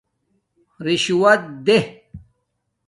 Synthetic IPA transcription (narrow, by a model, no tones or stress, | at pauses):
ɾiɕuwɐt̪̚d̪eh